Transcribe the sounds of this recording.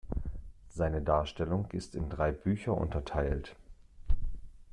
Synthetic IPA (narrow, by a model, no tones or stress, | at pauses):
z̥aɪnədaːɐʃtɛlʊŋɪstɪndʁaɪbyːçɐʔʊ̰ntɐtʰaɪlt